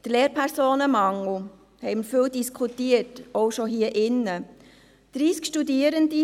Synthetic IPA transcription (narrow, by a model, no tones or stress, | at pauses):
d̥̪leːɾpʰɛɾsoːnəmɑŋːo | hɛɪməɾfɪldiskʰutiətɔʊʃoɦiːəʔɪnːə | d̥ɾiːskʃtudiəɾəndi